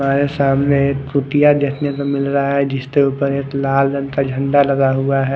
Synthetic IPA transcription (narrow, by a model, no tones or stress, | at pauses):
aːɾesaːmnekkuʈijad̪eːkʰnekomɪlɾaɦaɦɛd͡ʒɪst̪euːpəɾeːklaːld͡ʒənkad͡ʒʱə̃ɳɖalɐɡaɦuaɦɛ